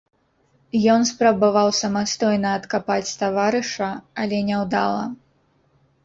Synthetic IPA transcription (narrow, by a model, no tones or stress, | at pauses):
jɔnspɾɐbavawsɐmast̪ɔjnɐːt̪kapat͡sʲt̪avaɾɨʂɐɐlʲɛnʲɛwd̪alˠɐ̰